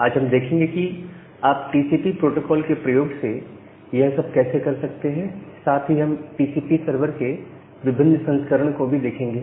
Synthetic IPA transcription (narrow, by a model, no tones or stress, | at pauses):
aːd͡ʒɦɐmd̪eːkʰẽːŋɡeki | aːpʈiːsiːpipɾoːʈoːkɔːlkepɾɐjoːɡse | jɐɦsɐb̚kɛːsekɐɾsɐk̚t̪eɦɛ̃saːt̪ʰɦiɦɐmʈiːsiːpisɐɾʋəɾke | ʋɪbʱɪnːsɐ̃nskəɾəɽ̃kobʱid̪eːkʰẽːŋɡeː